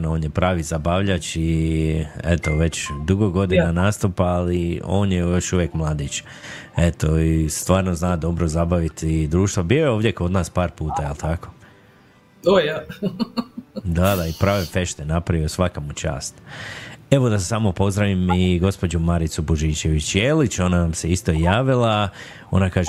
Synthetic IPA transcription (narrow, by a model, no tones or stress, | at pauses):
naoːnjepɾaːʋizabaːʋʎat͡ʃi | et̪o̞ʋe̞t͡ɕd̪uɡoɡo̞d̪inanaːst̪upaːlio̞ːnjejo̞ʃuʋjekmlˠaːd̪it͡ʃ | e̞t̪oist̪ʋaːɾnoznaːd̪o̞bɾo̞zabaʋit̪id̪ɾuːʃt̪ʋobijojeoːʋd̪jeko̞d̪naːspaːɾpuːt̪ajelt̪ʰako̞̥ | oja | d̪ad̪aipɾaːʋefe̞ʃt̪enapɾaʋiosʋakamut͡ʃa̰ːst̪ | e̞ʋo̞d̪asesamopo̞zd̪ɾaʋimiɡo̞spo̞d͡ʒumaɾit̪suboʒiːt͡ɕe̞ʋit͡ʃjelit͡ɕo̞nanamseist̪o̞jaːʋilˠa | o̞̰nakaːʒ